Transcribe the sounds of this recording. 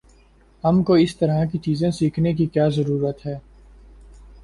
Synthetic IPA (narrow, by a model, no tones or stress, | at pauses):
ɦɐmkoɪst̪ɐɾak̬it͡ʃiːzẽsiːkʰnek̬ikjaːzɐɾuːɾət̪ɦɛː